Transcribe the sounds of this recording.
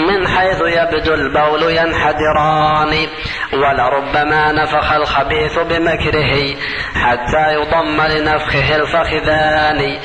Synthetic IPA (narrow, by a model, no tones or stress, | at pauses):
mɪnħajθjabd̪ʊlbawlʊjanħad̪ˤɨɾˤɑːni | walaɾˤʊbːamaːnafaxalxabiːθbɪmakɾɪɦi | ħat̪ːaːjʊd̪ˤɑmːalɪnafxɪɦɪlfaxðaːni